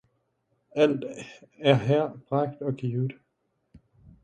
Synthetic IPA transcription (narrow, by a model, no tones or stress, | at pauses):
æl̰d̥æɐɦæɐ̰b̥ʁɑ̈ɡ̥d̥ɒ̽ɡ̥iːʊd̥